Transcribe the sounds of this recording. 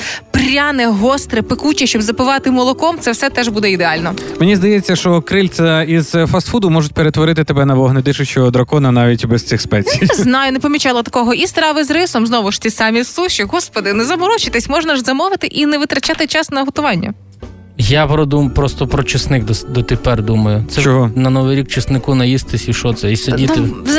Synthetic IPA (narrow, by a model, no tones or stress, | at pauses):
prɾʲanɛɦɔst̪ɾɛpɪkut͡ʃʲɛʃʲt͡ʃɔbzɐpɪʋɑt̪ɪmɔlˠɔkɔmt̪sɛwsɛt̪ɛʒbud̪ɛid̪eɑlʲnɔmenʲizd̪ɐjɛt͡sʲːɐʃt͡ʃɔkɾɪlʲsʲɐiz̥fɐst̪fud̪ʊmɔʒʊtʲpeɾet̪ʋɔɾɪt̪ɪt̪ebɛnɐʋɔɦnɐd̪ɪʃɪt͡ʃɔɔd̪ɾɐkɔnɐnɑʋʲitʲbɛst̪ʲt͡s̪ʲixspɛsjʲijnɛznɑjʊnɛpɔmʲit͡ʃɑlˠɐt̪ɐ̥kɔɦɔʔist̪ɾɑʋɪzɾɪsɔmznɔʋʊʃt̪ɪsɑmʲislˠuʃiɦɔspɔd̪ɪnɛzɐmɔɾɔt͡ʃɪt̪ɪsʲmɔʒnɐʒzɐmɔʋɪt̪ɪʔinɛʋɪt̪ɾɐt͡ʃɑt̪ɪt͡ʃɑsnɐɦɔt̪ʊʋɑnʲːɐ̰ | japɾɔd̪umpɾɔst̪ɔpɾɔt͡ʃɪsnɪkd̪ɔd̪ɔt̪epɛrd̪umɐjʊsɛt͡ʃɔɦɔnɐnɔʋɪɾʲikt͡ʃɪsnɪkunɐjist̪ɪsʲiʃɔt̪sɛisʲɐit̪ɪ